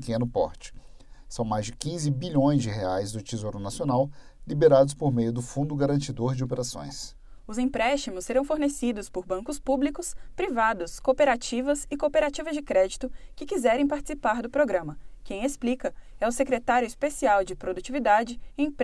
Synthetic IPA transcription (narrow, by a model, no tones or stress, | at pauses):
kẽnʊpɔ̰ɾt͡ʃɪ̥sɐ̃w̃majzd͡ʒɪkĩzɪbiʎõj̃zd͡ʒɪheajzd̪ʊt͡ʃizoɾʊnasionawlibeɾad̪ʊspoɾmejʊd̪ʊfũnd̪ʊɡaɾɐ̃t͡ʃid̪oɾd͡ʒɪopeɾasõ̰j̃s | ʊzẽpɾɛʃt͡ʃimʊsːeɾɐ̃w̃foɾnesid̪ʊspoɾbɐ̃ŋkʊspublikʊspɾivad̪ʊskopeɾat͡ʃivɐsɪkopeɾat͡ʃivɐzd͡ʒɪkɾɛd͡ʒit̪ʊkɪkizɛɾẽj̃paɾt͡ʃɪ̥sipaɾd̪ʊpɾoɡɾɐ̃mɐkẽj̃esplikɐɛʊsekɾet̪aɾjʊɪspesiawd͡ʒɪpɾod̪ut͡ʃivid̪ad͡ʒɪẽj̃p